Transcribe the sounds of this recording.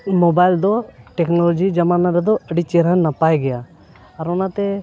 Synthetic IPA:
mobajld̪ɔʈɛknolɔd͡ʒid͡ʒɐmanaɾɛd̪ɔəɖit͡ʃeɾɦənəpajɡɛja | əɾʊnat̪ɛ

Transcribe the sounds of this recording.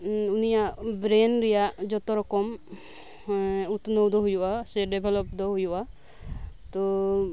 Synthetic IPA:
unijaʔbɾɛnɾɛjaʔd͡ʒɔt̪ɔɾɔkɔm | ut̪nowd̪ɔɦujɔʔasɛɖɛbʱɛlɔpd̪ɔɦujɔʔa | t̪ɔ

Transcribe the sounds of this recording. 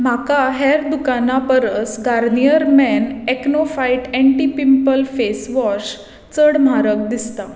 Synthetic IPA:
m̤akaɦɛɾd̪ukanapəɾəsɡaɾnijəɾmɛneknofaiʈɛ̃ɳʈipimpəlfesʋɔɾɕ | t͡səɽm̤aɾək̚d̪ist̪a

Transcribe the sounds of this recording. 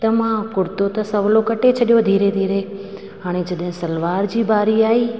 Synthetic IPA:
t̪əmãkʊɾt̪ot̪ə̃səʋlokəʈet͡ʃʰəɗjod̪ʱiːɾed̪ʱiːɾe | aɳ̃ed͡ʒəɗẽsəlʋaːɾd͡ʒiːbaːɾiːaːiː

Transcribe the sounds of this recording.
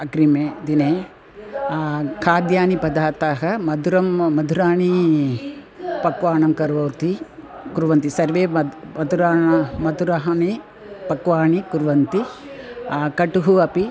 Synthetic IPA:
ɐɡɾimeːd̪ineː | kʰaːd̪jaːnipɐd̪ʱaːt̪aːɦɐmɐd̪ʱuɾɐmːɐd̪ʱuɾaːɳi | pɐkʋaːɳɐmkɐɾʋɐwɾt̪i | kuɾʋɐnt̪isɐɾʋeːɐ | ɐd̪uɾaːmɐd̪uɾɐɦɐɳi | pɐkʋaːɳikuɾʋɐnt̪i | kɐʈuɦuɐpi

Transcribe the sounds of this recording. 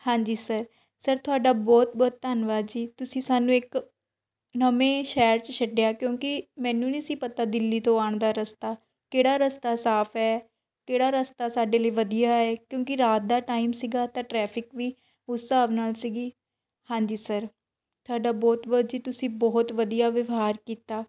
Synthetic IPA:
hãːɲd͡ʒiːsəɾ | səɾt̪ʊaːɖaːbɔːt̪̚bɔːt̪t̪anʋaːd͡ʒiːt̪ʊsĩːsaːnũːɪk | nəmẽːʃɛːɾt͡ʃəʃʰəɖejaːkjõːkɪmɛ̃ːnũːnisiːpət̪aːd̪ɪlːiːt̪õːaːɳd̪aːɾəst̪aː | keːɽaːɾəst̪aːsaːpʰɛː | keːɽaːɾəst̪aːsaːɖeːləiːʋəd̪ijaːɛːkjõːkɪɾaːt̪̚d̪aːʈaːiːmsiːɡaːt̪ãːʈɾɛːpʰɪkʋiː | ʊsːaːʋnaːlsiːɡiː | hãːɲd͡ʒiːsəɾ | t̪ʰʊaːɖaːbɔːt̪ʋaːdd͡ʒiːt̪ʊsĩːbɔːt̪ʋəd̪ijaːʋʋɦaːɾkiːt̪aː

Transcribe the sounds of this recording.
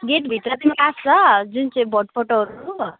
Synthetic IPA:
ɡeʈbʱit̪rʌt̪imikast͡sʰʌd͡zunt͡saĩbʌʈ̚pʰʌʈoɦʌɾu

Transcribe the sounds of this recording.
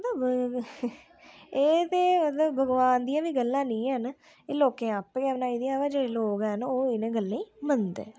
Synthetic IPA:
mət̪ləb | eːt̪eːmət̪ləbbəɡʋaːnd̪ijãːʋiːɡəlːãːnĩːən | eːloːkẽːapːkɛːbənaːid̪iːaːʋɛːd͡ʒeːɽeːloːkɛnoːɪnẽːɡəlːẽːiːmənd̪ḛː

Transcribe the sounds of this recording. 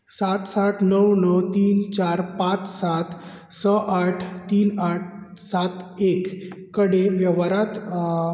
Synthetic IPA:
sat̪saʈnəwnəwt̪iːnt͡ɕaɾpat͡ssat̪ | səʔaʈʰt̪iːnaʈ̚ʰ | sat̪ekː | əɽeʋjəʋaɾat̪

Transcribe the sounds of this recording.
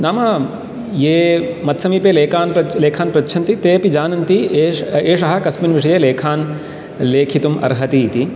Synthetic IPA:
naːmɐ | jeːmɐt̪sɐmipeːleːkaːnɐleːkʰaːnpɾɐt͡ʃːʃʰɐnt̪it̪eːpid͡ʒaːnɐnt̪ieːeːʂɐɦɐkɐsminʋiʂɐjeleːkʰaːn | leːkʰit̪umʔɐ̰ɾɦɐt̪it̪i

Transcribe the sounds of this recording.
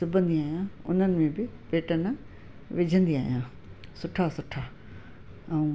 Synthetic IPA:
sʊbʱə̃nd̪iaːɦijãʊ̰n̤ənɪ̆mẽbɪpeːʈən | ʋɪd͡ʑʱə̃nd̪ia̰ːɦijãː | sʊʈʰasʊʈʰa | ɛ̃ũ

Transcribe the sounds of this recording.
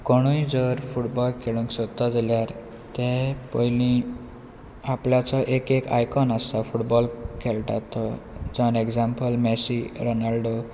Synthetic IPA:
kɔɽ̃ujd͡zəɾfuʈbɔlkʰeɭũŋksɔt̪ːad͡zaljaɾ | t̪ẽpɔjlĩ | apljat͡sɔʔekeka̰jkɔnast̪afuʈbɔlkʰelʈa̰t̪ɔd͡zɔnekd͡zampəlmɛsiɾonalɖo

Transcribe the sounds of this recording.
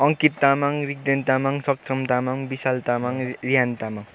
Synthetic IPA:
ʌŋkit̪ːamaŋɾik̚d̪ent̪amaŋsʌk̚sʰʌmt̪amaŋbisalt̪amaŋɾijant̪amaŋ

